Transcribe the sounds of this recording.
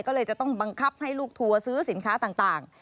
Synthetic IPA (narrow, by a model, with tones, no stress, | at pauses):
jkɔː˥˩lɤː˧jt͡ɕa˨˩t̪ɔ˥˩ŋba˧ŋkʰa˦˥˩p̚ha˥˩jluː˥˩k̚t̪ʰu˧ɐsɯː˦˥si˨˩˦nkʰaː˦˥t̪aː˨˩ŋt̪aː˨˩ŋ